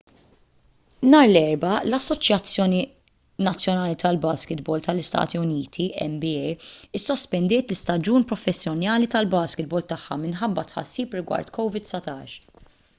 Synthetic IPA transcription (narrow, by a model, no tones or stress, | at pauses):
nɐːɾlɛɾbɐlɐsːɔt͡ʃjɐt͡sːjɔːni | nɐt͡sːjɔnɐːlit̪ɐlbɐːskɪt̪bɔːlt̪ɐlɪst̪ɐ̰ːt̪iʊniːt̪ʰiɛ̰mbiɛjɪsːɔspɛnd̪ɪːt̪lɪst̪ɐd͡ʒuːnpɾɔfɛsːjɔnjɐːlit̪ɐlbɐːskɪt̪̚bɔːlt̪ɐħːɐ̰mɪnħɐbːɐt̪ħɐ̰sːiːpɾɪɡwɐ̰ɾt̪kɔwvɪd̪sɐt̪ɐːʃ